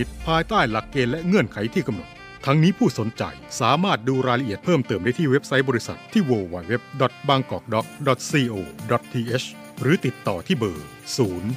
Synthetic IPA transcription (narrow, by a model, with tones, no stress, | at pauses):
i˦˥t̪̚pʰaː˧jt̪aː˥˩jla˨˩kːeː˧nlɛ˦˥ʔŋɯ˥˩ənkʰa˩˦jt̪ʰiː˥˩ka˧mno̰˨˩t̪ | t̪ʰːa˧˥ŋniː˦˥pʰuː˥˩so˩˦nt͡ɕa̰˨˧jsaː˩˦maː˥˩t̪̚duː˧ɾaː˧jla˧ʔi˨˩ət̪̚pʰɤː˥˩mt̪ɤː˨˩mdaː˥˩t̪iː˥˩we˦˥p̚sa˦˥jbɔː˧ɾi˦˥sa̰˨˩t̪ʰːiː˥˩woː˧˩wa˨˩jwe˦˥p̚dɔ˨˩t̪̚baː˧ŋkɔː˨˩k̚dɔ˨˦˥k̚dɔ˨˩t̪̚siː˧ʔoː˧dɔ˨˩t̪̚ːʰiː˧ʔeː˦˥s | ɾɯː˩˦t̪i˨˩t̪ːɔː˨˩t̪ʰiː˥˩bɤ̰ː˨˩ | suː˩˦n